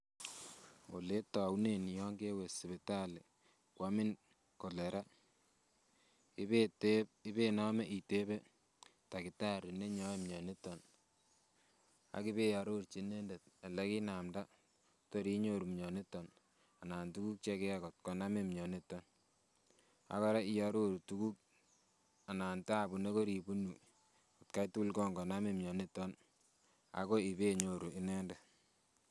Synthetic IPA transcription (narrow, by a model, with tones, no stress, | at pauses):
o˨le˦ta˨wne˨n˨jɔ˦ŋɡe˦we˨sɪ˨bɪ˨ta˦lɪ˨ | kwa˦mɪ˦n | kɔ˨lɛ˨ɾa˦ | ɪ˦be˦nɔ˦mɛ˦ʔi˨te˦be˦ | ta˨ki˨ta˦ɾi˨ne˦ɲɔ˨˦e˦˨mɲɔ˨ne˦tɔ˨n | a̰˨˦ki˦be˦ja˨ɾo˦ɾt͡ʃi˨ne˦nde˨t̚a˨lɛ˦ki˦na˨mda˦ | to˨ɾi˦ɲo˦ɾu˨mɲɔ˨ne˦tːɔ˨n | a˨naː˨ntu˦ku˦k̚t͡ʃe˦ke˦a˦kɔ˨t̚kɔ˨na˦me˦mɲɔ˨ne˦tːɔ˦n | a̰˨kɔ˦ɾa˦i˦ja˨ɾo˦ɾu˨tu˦ku˦k̚ | a˨na˨nta˦˨bu˨ne˦ko˦ɾi˨bu˦nu˨ | o˨tka˦jtu˦lkɔ˦ŋɡɔ˨na˦me˦mɲɔ˨ne˦tːɔ˦n | a̰˨ko˦i˨be˦ɲo˨ɾu˨ʔɪ˦nɛ˦ndɛ˨